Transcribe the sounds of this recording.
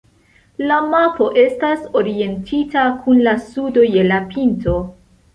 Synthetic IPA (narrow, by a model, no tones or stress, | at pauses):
lamapo̞ʔe̞staso̞ɾie̞ntʰitakʰunlasudo̞je̞lapʰinto̞